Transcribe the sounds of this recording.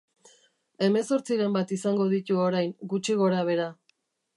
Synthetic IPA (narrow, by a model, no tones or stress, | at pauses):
e̞me̞so̞ɾt͡siɾe̞mbat̪isaŋɡo̞ðit̪uo̞ɾajŋɡut͡ʃiɣ̞o̞ɾaβ̞e̞ɾa